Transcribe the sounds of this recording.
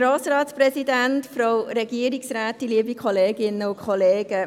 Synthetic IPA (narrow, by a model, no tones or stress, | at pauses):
ɾɑːsɾɑːtsprɛsidæntfɾoʊɾɛɡiəɾiksræːtiliəbikχɔleːɡɪnəʊkʰɔleːɡ̥ə